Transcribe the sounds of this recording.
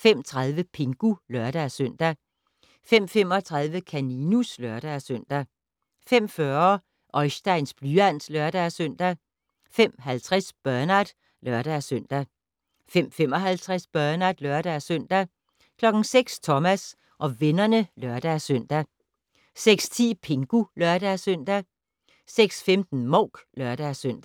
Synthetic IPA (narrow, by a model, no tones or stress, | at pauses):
fem̰t͡sʰʁäðˠʋəpʰe̝ŋɡ̥ulœɐd̥æsøn̰d̥æ | fem̰fem̰ɒ̽t͡sʰʁɑ̈ðˠʋəkʰæninuslœɐɾ̥æsøn̰d̥æ | fem̰fɶɐ | ʔɒ̽ɪsd̥ɑ̈ɪ̰nsb̥lyæn̰slœɐd̥æsœn̰d̥æ | fem̰ɦælt͡sʰʁɛsb̥ɶɐnæd̥ | lɶɐɾ̥æsøn̰d̥æ | fem̰fem̰ɒ̽ɦælt͡sʰʁɛsb̥ɶɐnæd̥lœɐɾ̥æsœn̰d̥æ | kʰlɒ̽ɡ̥n̩seɡ̥st͡sʰɒ̽mæs | ʔɒ̽ʋe̝nɐnəlœɐd̥æsœn̰d̥æ | seɡ̥st͡sʰḭːpʰe̝ŋɡ̥ulœɐɾ̥æsøn̰d̥æ | seɡ̥sfemd̥n̩mɔʊɡ̥lœɐd̥æsøn̰d̥æ